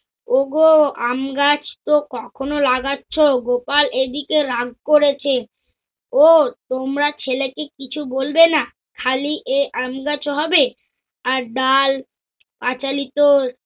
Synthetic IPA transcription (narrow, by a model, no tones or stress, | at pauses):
oɡoamɡat͡ɕt̪okɔkʰonolaɡatːɕʰoɡopaled̪ikeɾaɡ̚koɾet͡ɕʰe | ot̪omɾat͡ɕʰelekekit͡ɕʰubolbena | kʰaliʔeʔamɡat͡ɕoɦɔbe | aɾɖal | pat͡ɕalit̪oɾ